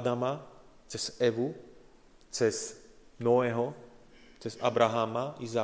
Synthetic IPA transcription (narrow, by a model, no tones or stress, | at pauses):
d̪ama | t͡sɛz̥ɛʋu | t͡sɛz | nɔʋɛːɦɔ | t͡sɛza̰bɾaɦaːmaizaː